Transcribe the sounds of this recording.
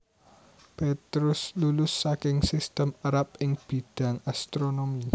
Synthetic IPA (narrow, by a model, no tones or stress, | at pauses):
pet̪ɾʊslulʊsːakɪŋsɪst̪əmaɾap̚ɪŋb̥i̤d̥a̤ŋast̪ɾonomi